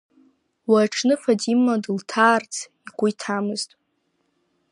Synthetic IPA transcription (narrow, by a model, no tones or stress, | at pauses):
waʈ͡ʂʰnɨfadimːadɨltʰaːrt͡sʰiɡʷʼʊjtʰamɨztʼ